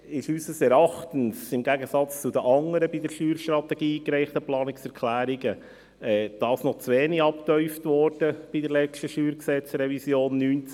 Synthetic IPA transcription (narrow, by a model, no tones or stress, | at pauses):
ɪʃysəsɛɾɑχtənsɪmɡæɡəsɑt͡st͡sudəʔɑŋəɾəbidəɾʃyːɾʃtrɑt̪ɛɡ̥iːkɾɛɪχtəplɑːnɪksɛɾkʰlæːɾiɡə | ɛːd̥ɑːsnɔt͡sʋeːniɑptœʏftʋɔɾd̥əb̥idəɾlɛt͡ʃtəʃyːɾksɛt͡sɾɛvisjoːnːynt͡s